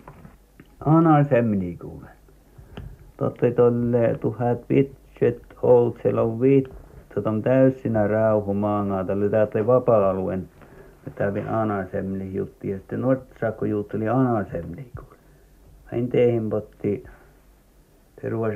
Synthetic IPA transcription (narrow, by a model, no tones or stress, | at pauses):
ɑnɑsemːlikṵːle | t̪o̰t̪ːoit̪olʲːet̪uhæt̪ʋit̪set̪olt̪sieloʋʋit̪t̪uot̪ont̪æysːinærɑˑuhumɑːŋɑːˑt̪ɑlːet̪æːt̪ːoliʋɑpɑˑɑluḛnmit̪æʋḭʔɑnɑsemːlihjṵt̪ːijɑsi̥t̪ːenuort̪sɑːkːojuːt̪ːoliɑnɑsemniku̥ːl | ɑint̪eˑihimpot̪ːi | pḛruɑs